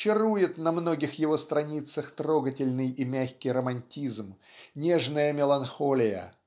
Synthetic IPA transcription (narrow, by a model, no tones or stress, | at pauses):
t͡ɕːɪrujɪt̪nɐmno̞ɡʲɪxjɪvo̞st̪ɾɐnʲit̪səxt̪ɾo̞ɡətʲɪlʲnɨjʔimʲæxʲkʲɪjɾəmɐnʲtʲizmnʲeʐnəjəmʲɪlˠɐnxolʲɪjə̰